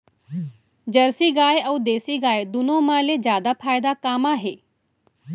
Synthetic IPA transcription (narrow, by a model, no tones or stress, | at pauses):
d͡ʒɐɾsiɡaːeɐwd̪eːsiɡaːed̪ʊnõmãːled͡ʒjaːd̪apʰaːjd̪akaːmaɦeː